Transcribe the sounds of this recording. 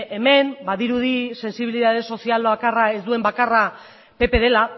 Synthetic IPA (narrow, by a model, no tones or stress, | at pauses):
ʔeme̞mbaðiɾuð̞ise̞nsiβ̞iliðað̞e̞so̞sialbakarae̞zd̪ue̞mbakara | pe̞pe̞ðe̞la